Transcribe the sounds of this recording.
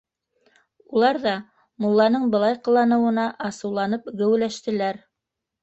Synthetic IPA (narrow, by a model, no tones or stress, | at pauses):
ulˠɑɾðɑ | mulˠːɑnɤɴbɤ̆lˠɑjqɤ̆lˠːɑnɤ̆wɤ̆nɑʔɑsɤ̆wlˠɑnɤpɡɘ̆wɘ̆læʃt̪ɘ̆læɾ